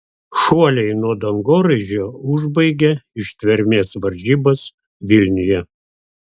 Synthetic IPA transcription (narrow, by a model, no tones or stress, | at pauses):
ʃuɔlʲɛɪnuɔd̪ɐŋɡoːɾɐɪʒʲoːʊʒbɐɪɡʲɛɪʃt̪ʲʋʲɛɾʲmʲeːsʋɐɾʲʒʲiːbɐs | ʋʲɪlʲnʲʊjɛ